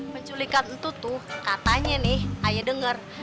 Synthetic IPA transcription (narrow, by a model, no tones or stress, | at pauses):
məɲt͡ʃulikannt̪ut̪ʊkat̪aɲanɪhajadəŋər